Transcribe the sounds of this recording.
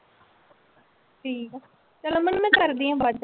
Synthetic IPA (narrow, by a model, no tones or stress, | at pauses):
ʈʰiːkː | t͡ʃəlãmənmɛ̃ːkəɾd̪iːɦãːbəd͡ʒ